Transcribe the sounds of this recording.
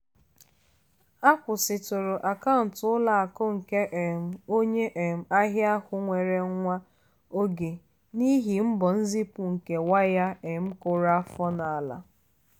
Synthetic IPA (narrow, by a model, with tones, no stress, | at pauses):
a˦kʷʊ˨sɪ˨tʊ˨ɾʊ˨ʔa˨ka˦ʊ˨n̩˨tʊ˦la˨a˨kʊ˦ŋ̩˨ke˦ʔe˨m̩˨o˦ɲe˦ʔe˨m̩˨a˦ɦja˦hʊ˦ŋʷe˨ɾe˨˦ŋʷa˦ | o˦ɡe˨ | ni˦ɦi˨m̩˦bɔ˨n̩˦zi˦pu˨ŋ̩˨ke˨wa˦ja˦e˨m̩˦kʊ˨ɾa˦a˦fɔ˦na˨a˨la̰˨